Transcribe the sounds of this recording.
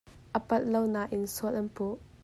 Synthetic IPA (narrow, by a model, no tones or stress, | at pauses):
ʔəpɐt̪̚lownaʔɪnsuətʔɐnpuʔ